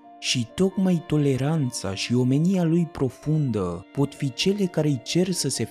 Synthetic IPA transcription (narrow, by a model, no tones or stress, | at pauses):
ʃit̪o̞kmajt̪o̞le̞ɾant̪sa̰ʃio̞me̞nialujpɾo̞fund̪əpo̞t̪fit͡ʃe̞le̞kaɾeɨjt͡ʃe̞rsəse